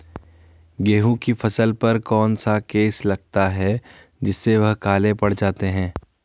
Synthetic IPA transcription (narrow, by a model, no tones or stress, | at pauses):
ɡeːɦũkifʰɐsəlpɐɾkɔːnsakeːslɐɡ̚t̪aɦɛ | d͡ʒɪsːeʋɐɦkaːlẽpɐɽ̤d͡ʒaːt̪eɦɛ̃ː